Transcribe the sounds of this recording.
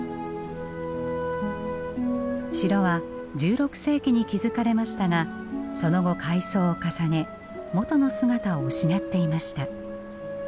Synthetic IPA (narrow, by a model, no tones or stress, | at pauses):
ɕiɾo̞βa | d͡ʑɨːɾo̞kɯ̟̥se̞ːkʲiɲ̟ikʲizɨkaɾe̞maɕi̥t̪aŋa | so̞no̞ɡo̞kʰaiso̞ːkasane̞ | mo̞t̪o̞no̞sɨɡat̪aoɯɕinat̪ːe̞imaɕi̥t̪a